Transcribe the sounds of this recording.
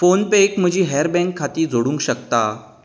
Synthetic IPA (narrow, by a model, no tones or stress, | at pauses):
fonpekm̤əd͡ʑʱiːɦɛɾbɛ̃ŋkʰːat̪iːd͡zoɽũːŋkɕəkt̪a